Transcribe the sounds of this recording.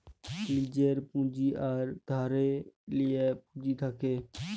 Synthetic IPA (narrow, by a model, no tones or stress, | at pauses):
liːd͡ʒeːɾpũːd͡ʒiːʔaːɾd̪ʱaːɾeːlɪeːpũːd͡ʒiːt̪ʰaːkeː